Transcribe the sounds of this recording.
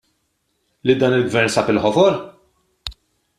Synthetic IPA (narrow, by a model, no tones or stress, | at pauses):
lid̪ɐːnɪlɡvɛɾnsɐpɪlħɔfɔɾ